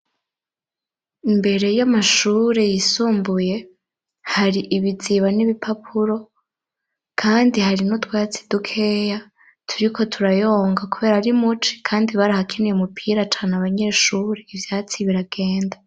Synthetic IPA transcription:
imbe̞ɾe̞jamaʃuːɾe̞jisuːmbuje̞ | haɾiʔiβiziβaniβipʰapʰuɾo̞ | kʰaːndihaɾinotwaːt͡si̥dukʰe̞ja | tʰuɾikʰo̞tʰuɾajo̞ːŋɡakuβe̞ːɾaaɾimut͡ʃi̥kʰaːndiβaɾahakʰinijeumupʰiɾat͡ʃaːnaβaɲe̞ʃuɾe̞ivjat͡siβiɾaɡe̞ːnda

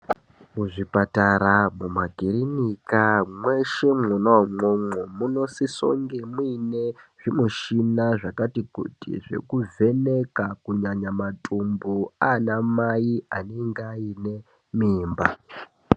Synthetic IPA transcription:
muʐipataɾamumaɡʱirinikamweʃe̞munamomomuno̞siso̞̰ŋɡemwine̞ʐ̥imuʃinaʐakatikṵtḭʐe̞̰kuvʱe̞nekakuɲaɲamatʰʼumbuanamaianeŋɡaine̞ | miːmba

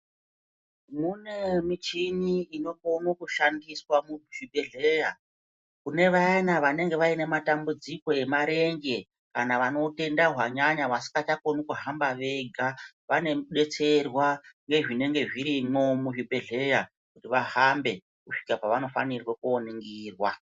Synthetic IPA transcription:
mune̞mit͡ʃiniino̞komokuʃandiswamuʐ̥ibʱeɮeja | kune̞ʋaanaʋane̞ŋɡe̞ʋaine̞matambud͡ziko̞e̞maɾe̞ŋɡe̞ | kanaʋano̞te̞ndaɦwaɲaɲaʋasi̥kat͡ʃakonukuɦambaʋe̞ɡʱa | ʋane̞ɗe̞t͡se̞rwaŋɡe̞ʐine̞ŋɡe̞ʐiɾimo̞muʐibʱeɮe̞ja | kutiʋaɦambe̞ | kuʂi̥kapaʋano̞fa̰nirwakuoniŋɡiːrwa

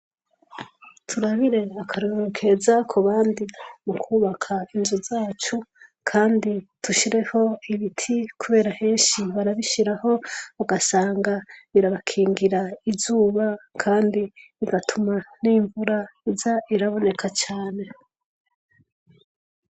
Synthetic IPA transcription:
tʰuɾaβiɾe̞akʰaɾoɾokʰe̞zakʰuβaːndimukʰuβakʰainzuzaːt͡ʃukʰaːndituʃiɾe̞ho̞iβitʰikuβe̞ːɾahe̞ːnʃiβaɾaβiʃiɾaho̞βaɡasaːŋɡaβiɾaβakʰiːŋɡiɾaizuːβakʰaːndiiɡatʰumaniːɱvuɾaizaʔiɾaβo̞ne̞kʰat͡ʃaːne̞

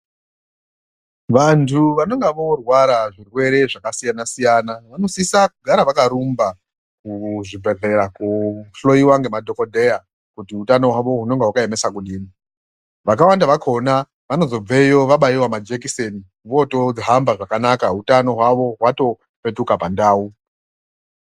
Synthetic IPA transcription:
ʋantʰuʋano̞ŋɡeʋo̞rwaɾaʐirwe̞ɾe̞ʐakasijanasijanaʋano̞sisakuɡʱaɾaʋakaɾumba | kuʐibʱe̞ɮe̞ɾakuɬo̞iwaŋɡe̞madʱo̞ko̞dʱeja | kutiutano̞ɦwaʋo̞ɦuno̞ŋɡewakaeme̞sak̬uɗiːmi | ʋakawandaʋakʰo̞na | ʋanozo̞b͡ve̞jo̞ʋaɓaiwamad͡ʒekiseni | ʋo̞to̞d͡zɦambaʐakanakautano̞ɦwaʋo̞ɦwato̞ | pe̞tukapandaːu

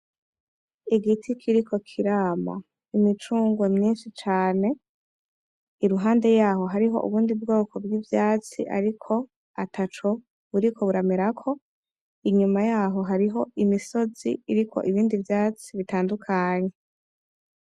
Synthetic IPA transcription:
iɡitʰikʰiɾikʰo̞kʰiɾaːma̰ | imit͡ʃuːŋɡwemɲiːnʃit͡ʃaːne̞ | iɾuɦaːnde̞jaːɦo̞ɦaɾiɦo̞̰ʔṵβuːndibɡo̞ːkʰo̞bɡivjaːt͡sḭʔa̰ɾikʰo̞ | atʰat͡ʃo | βuɾikʰo̞βuɾameɾakʰo̞ | iɲumajaːɦo̞ɦaɾiɦo̞imiso̞zḭiɾikʰo̞̰ʔiβiːndivjaːt͡siβitaːndukʰaɲe̞

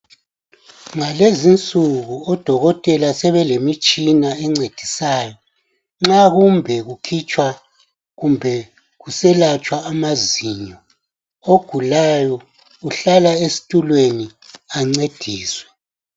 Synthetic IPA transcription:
ŋalezint͡sʼuɣuɔd̥ʱɔɣɔtʼɛlasɛβɛlemit͡ʃʼinaɛŋ͡ǀed̥ʱisaːjɔ | ŋ͡ǁaɣumbʱɛɣukʰit͡ʃʼwa | ɣumbʱɛ | ɣusɛlat͡ʃʼwaːmaziɲɔ | oɡ̥ʱulajɔ | uɬalaesi̥tʼulweni | aŋ͡ǀed̥ʱiːswɛ

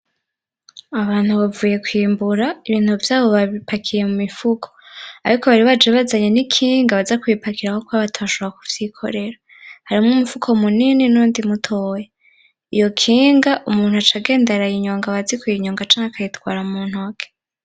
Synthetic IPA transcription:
aβaːn̥huβavuːje̞kwiːmbuɾaiβiːn̥huvjaːβo̞βaβipʰakʰije̞mumifukʰo̥aɾikʰo̞βaɾiβad͡ʒeβazaɲenikʰiːŋɡaβazakwipakiɾahokwoaβatʰaβaʃooɾaku̥v̥jikʰo̞̰ɾe̞ɾa | haɾimŋumifukʰo̞munininuːndimutʰoːje | ijo̞kʰiːŋɡaʔumuːnhuat͡ʃaɡe̞ːndeɾajiɲoːŋɡaβazikwojiɲoːŋɡat͡ʃaːŋakʰajitwaːɾaumuːn̥huake̥

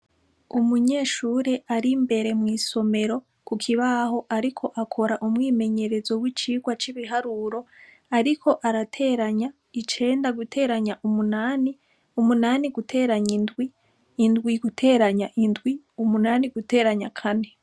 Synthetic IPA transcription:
umuɲe̞ːʃuːɾe̞ʔaɾimbe̞ɾe̞mŋiːso̞me̞ɾo̞ | kukʰiβaho̞ʔaɾikʰo̞ʔakʰo̞ɾaʔumŋiːme̞ɲe̞ɾe̞zo̞wit͡ʃiːɡwat͡ʃiβiɦaɾuɾo̞ | aɾikʰo̞ʔaɾatʰe̞ːɾaɲa | it͡ʃe̞ːndaɡutʰe̞ːɾaɲaʔumunani | umunaniɡutʰe̞ːɾaɲindɡwiː | ndɡwiɡutʰe̞ːɾaɲaʔindɡwi | umunaːniɡute̞ːɾaɲakʰane̞

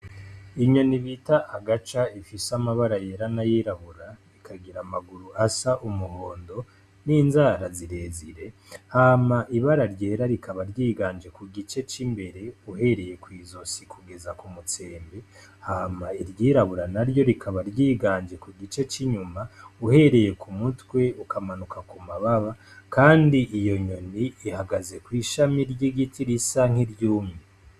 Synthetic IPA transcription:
iɲo̞niβitaʔːɡat͡ʃaifisamaβaɾaje̞ɾanajiɾaβuɾaɾikʰaɡiɾamaɡuɾuasaʔumuho̞ːndo̞ | niːnzaːɾaziɾe̞ːziɾe̞hamaʔiβaɾaɾje̞ːɾaɾikʰaβaɾɟiːɡaːnd͡ʒe̞kuɡit͡ʃe̞t͡ʃimbe̞ɾe̞uɦe̞ɾe̞je̞kwiːzo̞sikʰuɡe̞zakumut͡se̞ːmbe | hamaiɾjiːɾaβuɾanaɾjo̞ɾikʰaβaɾɟiːɡaːnd͡ʒe̞kuɡit͡ʃe̞t͡ʃiɲumauhe̞ɾe̞je̞kʰumutwe̞ukʰamanukakumaβaβa | kaːndiʔijo̞ɲo̞niːhaɡaze̞kwiːʃamiɾɟiɡitiɾisaŋ̥iɾjuːmŋe

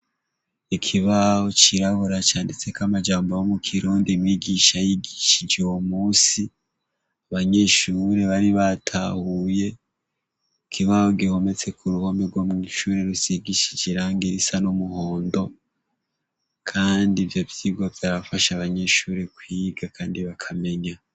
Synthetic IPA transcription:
ikʰiβaho̞t͡ʃiɾahoɾat͡ʃaːndit͡se̞kamad͡ʒaːmbojomukʰiɾuːndimiɡiʃajiɡiʃid͡ʒewomuːsi | aβaɲe̞ʃuːɾe̞βaɾiβatʰahuje̞ | kʰiβahoɡiho̞me̞t͡se̞kʰuɾuho̞meɡwomŋiʃuːɾe̞ɾusiɡiʃid͡ʒiɾaːŋɡiɾisanomuhoːndo̞ | kʰaːndivjovjiɡovjaɾafaʃaːβaɲe̞ʃuːɾe̞kwiːɡakʰaːndiβakʰame̞ɲa

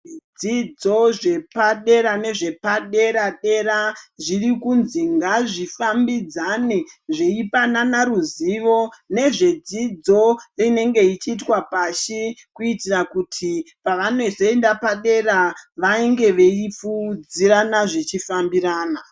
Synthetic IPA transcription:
id͡zid͡zo̞ʐe̞paɗe̞ɾane̞ʐe̞paɗe̞ɾaɗe̞ɾaʐirikunziŋɡaʐifambid͡zaneʐe̞ipananaɾuziʋo̞ne̞ʐe̞d͡zid͡zo̞rine̞ŋɡe̞it͡ʃiːt̬wapaʃekuitirakutʰipaʋano̞zo̞endapaɗe̞raʋaiŋɡe̞ʋe̞ifud͡ziɾanaʐet͡ʃifambiɾaːna

